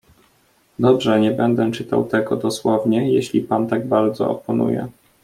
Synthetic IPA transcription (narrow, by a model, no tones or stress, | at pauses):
d̪ɔbʐɛɲɛbɛnd̪ɛt͡ʂɘt̪a̰wt̪ɛɡɔd̪ɔswɔvɲɛjeɕlʲipant̪aɡ̚baɾd̪zɔ̰ɔpɔnṵjɛ̰